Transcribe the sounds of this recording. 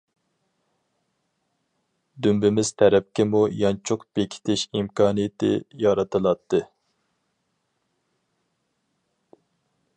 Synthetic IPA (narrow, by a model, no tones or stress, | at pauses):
d̪ymbɪmɪz̥t̪ʰɛɾɛp̚kʲɪmujɑnt͡ʃʰʊqb̥ekʲʰi̥t̪ʰɪʃimkʰɑːnɨjɪt̪ɪ̰jɑɾɑt̪ʰɨlˠɑt̪ʰːɨ